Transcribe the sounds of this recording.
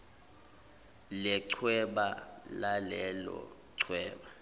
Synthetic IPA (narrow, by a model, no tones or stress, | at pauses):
lɛǀʰwɛɓalalɛlɔ̰ǀʰwɛːɓa